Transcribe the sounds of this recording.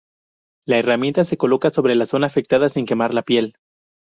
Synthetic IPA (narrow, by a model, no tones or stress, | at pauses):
laeramje̞nt̪ase̞ko̞lo̞kaso̞βɾe̞laso̞naːfe̞k̚t̪aðasiŋke̞maɾlapje̞l